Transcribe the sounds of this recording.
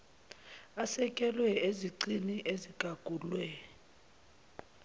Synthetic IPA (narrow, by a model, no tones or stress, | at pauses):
asɛkʼɛlwɛeziǀiniʔeziɡ̥ʱaɡ̥ʱuːlwɛ